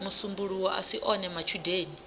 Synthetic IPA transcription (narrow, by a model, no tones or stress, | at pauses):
musumbuɺuwɔʔasiʔɔnɛmat͡ʃʰudeːni